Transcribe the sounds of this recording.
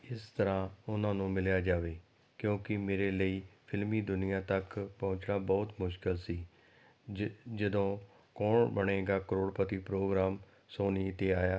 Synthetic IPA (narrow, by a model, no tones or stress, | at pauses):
ɪst̪əɾãːʊnãːnũːmɪljaːd͡ʒaːʋeː | kjõːkɪmeːɾeːləiːpʰɪlmiːd̪ʊnɪjãːt̪əkpɔ̃ʊ̃t͡ʃnaːbɔːt̪mʊʃkɪlsiː | d͡ʒəd̪õː | kɔːɳbəɽ̃eːɡaːkəɾoːɽpət̪iːpɾoːɡɾaːm | soːniːt̪eːaːjaː